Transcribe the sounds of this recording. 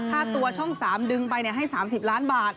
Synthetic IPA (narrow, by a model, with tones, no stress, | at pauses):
t̪ʰaː˥˩t̪u˧ɐt͡ɕʰɔ˥˩ŋsaː˩˦mdɯ˧ŋpa˧jni˧˩ɐɦa˥˩jsaː˩˦msi˨˩p̚laː˦˥nbaː˨˩t̪̚